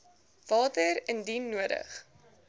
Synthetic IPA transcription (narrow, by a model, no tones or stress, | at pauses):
v̥ɑːtəɾəndinːuəɾə̰χ